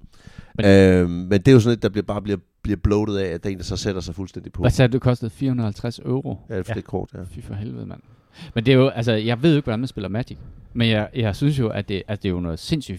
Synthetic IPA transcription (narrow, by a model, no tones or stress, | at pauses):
meømmːend̥e̝æjosɔ̽nled̥ːɑb̥liɐb̥ɑ̈ːb̥liɐ | b̥liɐb̥lɔʊɾð̩ˠɛæd̥e̝ːnd̥asɒ̽sed̥ɐsɑ̈ɪfulsd̥en̰d̥ipʰɒ̽æsæ̥d̥e̝kʰɒ̽sd̥əð̩ˠfiːɐhunð̩ˠhælt͡sʰʁasøʊʁojæ̥e̥kʰɒ̰ːd̥æfifɒɦelʋeð̩ˠmæn̰ | mend̥e̝æjo̝ʔæls̬əjɑ̈ɪʋeð̰ˠoe̝ɡ̥ʋɒd̥ænmænsb̥e̝l̰ɐmæd̥iɡ̥menjɑɪjɑ̈ɪsyns̬jo̝ʔæd̥e̝ʔæsd̥e̝jonɒ̽ːð̩ˠse̝n̰sy̰ː